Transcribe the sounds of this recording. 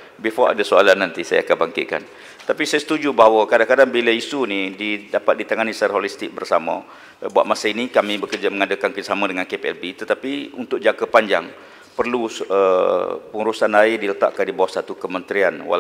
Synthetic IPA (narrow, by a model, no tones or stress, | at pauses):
bifɔa̰dasoalanːant̪isaja̰kabaŋkɪ̰t̪̚ka̰n | t̪apisajasə̥t̪ud͡ʒubaɦawəkadakadaŋbiləisunididapat̪̚dit̪aŋanisaɾaɦɔlist̪ɪk̚bərsama̰ | bua̰ʔ̪̚masainikamibəkərd͡ʒaməŋadəkankəsamadəŋankepeɛ̰lbit̪ət̪apiunt̪ʊk̚d͡ʒakəpaɲd͡ʒaŋ | pərluəpəŋuɾusanaɪdilət̪a̰ʔkandibawasat̪ukəmənt̪ɾianwa̰l